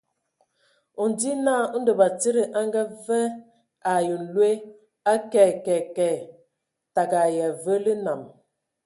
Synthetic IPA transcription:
ɔ˨n˨di˦naː˦˨˦n̩˦də˨ba˨ti˦ɾə˨ʔa˦ŋɡa˦vɛ˦ | a˨jə˨n̩˨lwe˦ | a˦kɛ˨kɛ˨kɛ˨ | ta˨ɡa˨jɛ˨və˦lə˦na˨m

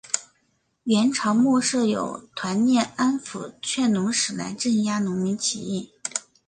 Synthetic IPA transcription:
ɥɛ˧˥nʈ͡ʂʰɑ˧˥ʊmɔ˥˧ʂɤ˥˩jo̰˨˩ʊt̪ʰwa˧˥nnjɛ˥˩na˥nfu˧˩t͡ɕʰɥɛ˥˩nnʊ˧˥ŋʂɻ̩˨˩la̰˧˥ɪʈ͡ʂə˥˩nja˥nʊ˧˥ŋmi˧˥nt͡ɕʰḭ˧˥i˥˩

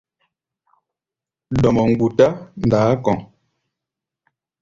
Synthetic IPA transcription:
dɔ˨mɔ˨ŋ̩˨ɡu˨ta˦n˨daː˨˦kɔ˨ŋ

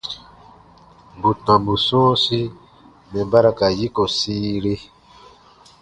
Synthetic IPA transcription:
bu˨tã˨mbu˨sɔ̃˦si˦ | mɛ̃˨ba˦ɾa˦ka˨ji˦kɔ˨siː˦ɾe˦

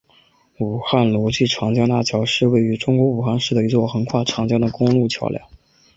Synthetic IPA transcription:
u˨˩xa˥˩nlu˧˥t͡ɕy˥˩ʈ͡ʂʰɑ˧˥ŋt͡ɕjɑ˥ŋt̪a̰˥˩t͡ɕʰjɑ˧˥ʊʂɻ̩˥˧we˥˩ɪy˧˥ʈ͡ʂʊ˥ŋkwɔ˧˥u˨˩xa˥˧nʂɻ̩˥˩d̪ə˩i˧˥t͡swɔ˥˩xə˧˥ŋkʰwa˥˩ʈ͡ʂʰɑ˧˥ŋt͡ɕjɑ˥ŋd̪ə˨kʊ˥ŋlu˥˩t͡ɕʰjɑ̰˧˥ʊljɑ̰˥˩˦

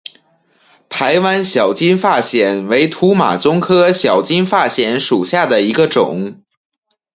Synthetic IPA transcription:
t̪ʰa˧˥ɪwa˥nɕjɑ˨˩ʊt͡ɕi˥nfa˥˩ɕjɛ˨˩nwe˧˥ɪt̪ʰu˧˥ma̰˨˩t͡sʊ˥ŋkʰɤ˥ɕjɑ˨˩ʊt͡ɕi˥nfa˥˩ɕjɛ˧˥nʂu˨˩ɕja˥˩d̪ə˩i˧˥ɡə˧ʈ͡ʂʊ̰˨˩˦ŋ

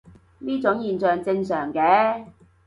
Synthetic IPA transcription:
niː˥t͡sʊ˨˥ŋjiː˨˩nt͡sœː˨ŋt͡sɪ˧ŋsœː˨˩ŋkɛː˨˥

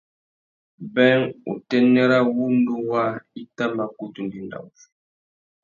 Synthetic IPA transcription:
bɛ˦ŋṵ˨tɛ˦nɛ˦ɾa˦wu˦n˦du˦wa˦i˦ta˦mba˨ku˦tu˨ndi˨nda̰˨u˨f

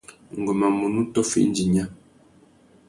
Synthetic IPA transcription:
ŋ̩˨ɡɔ˨ma˨mu˨nu˦tɔ˦fḭ˦n̩˦d͡ʒi˨ɲa˦

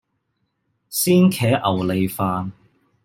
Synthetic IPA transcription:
siː˥nkʰɛː˨˥ʔɐ˨˩wle˨˧jfaː˧n

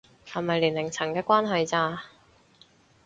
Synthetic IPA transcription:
hɐ˨˩mɐ˨jliː˨˩nlɪ˨˩ŋt͡sʰɐ˨˩ŋkɛː˧kʷaː˥nɦɵ˧ɥt͡saː˧

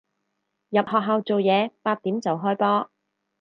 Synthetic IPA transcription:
jɐ˨p̚hɔː˨k̚ɦaː˨˧wt͡so˨wjɛː˨˧paː˧t̚t̪iː˨˥mt͡sɐ˨wɦɔː˥jpɔː˥

